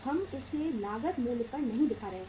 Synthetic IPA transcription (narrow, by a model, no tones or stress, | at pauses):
hɐmɪsenaːɡət̪moːlpɐɾnɐɦĩd̪ɪkʰaːɾɐɦẽ